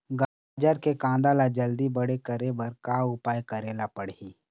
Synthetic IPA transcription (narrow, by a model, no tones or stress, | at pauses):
ɡa | d͡ʒəɾkekãːd̪alad͡ʒɐld̪ibəɽekəɾebəɾkaʊpaːjkɐɾeːlapəɽiː